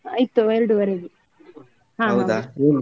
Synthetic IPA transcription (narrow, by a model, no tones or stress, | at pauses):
ɐjt̪ːueɾɽuʋɐɾeɡi | ɦãːɐwd̪ae